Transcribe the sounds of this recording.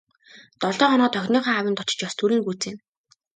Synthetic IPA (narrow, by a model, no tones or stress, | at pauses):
t̪ɔɮɔːχɔnɔːt̪ʰœxʲniːχaːawə̆nt̪ɔt͡ɕɪ̥̆t͡ɕjɔst̪ʰuɾĭːŋɡut͡seːn